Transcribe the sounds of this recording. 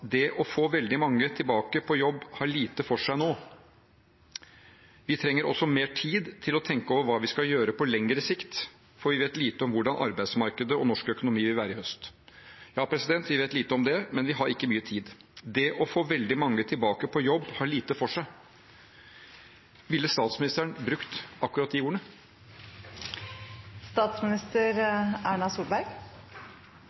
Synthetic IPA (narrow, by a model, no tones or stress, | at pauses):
d̪ɛʔɔfoːʋɛld̪ɪmɑŋːət̪ʰɪlbɑːkəpʰɔjɔbːhɑɭiːt̪əfɔʂæɪnoː | ʋɪt̪ʰɾɛŋːəɾʔɔ̰sːɔmeːʈʰiːd̪t̪ʰɪlɔt̪ʰɛŋkəoːʋəɾʋɑːʋɪskɑjøːɾəpʰɔlɛŋɾəsɪkt̪ | fɔɾʋɪʋeːt̪liːt̪əɔmʋʊɖɑnʔɑ̰ɾbæɪd̪smɑɾkəd̪əɔnɔʂkœkʊnʊmiːʋɪlʋæːɾəɾɪhœst̪jɑːpʰɾɛsɪd̪ɛnt̪ʋɪʋeːt̪liːt̪əɔmd̪ɛmɛnʋɪɦɑɾɪkːəmyːət̪ʰiːd̪ | d̪ɛʔɔfoːʋɛld̪ɪmɑŋːət̪ʰɪlbɑːkəpʰɔjɔbːhɑɭiːt̪əfɔʂæɪ | ʋɪlːəst̪ɑːt̪smɪnɪst̪əɾɳbɾʉkt̪ɑkːʉɾɑt̪ːɪuːəɳə | st̪ɑːt̪smɪnɪst̪əɾæːɳɑsuːlbæɾɡ